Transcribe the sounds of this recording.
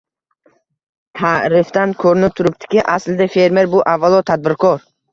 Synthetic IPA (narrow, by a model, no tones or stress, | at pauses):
t̪ʰaɾifd̪ankʰoɾnɪp̚t̪ʰuɾup̚t̪ʰi̥kʲiʔasld̪efe̞ɾmeɾbuʔavːalˠɔt̪ʰad̪̚bɪɾkʰɔɾ